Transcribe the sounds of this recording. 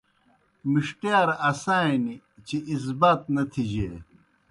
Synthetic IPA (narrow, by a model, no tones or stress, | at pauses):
miʂʈjaːɾɐsaːini | t͡ɕiʔis̬baːt̪̚nɐt̪ʰid͡ʑe